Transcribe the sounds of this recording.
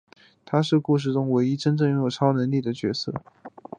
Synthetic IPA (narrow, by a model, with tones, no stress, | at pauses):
t̪ʰa˥ʂɻ̩˥˧ku˥˧ʂ̬ɻ̩˥˩ʈ͡ʂʊ˥ŋwe˧˥ɪi˥ʈ͡ʂə˥nʈ͡ʂɤ˥˩ŋjo˧˥jo˨˩ʊʈ͡ʂʰɑ˥ʊnə˧˥ŋli˥˩d̪ə˩t͡ɕɥɛ˧˥sɤ˥˩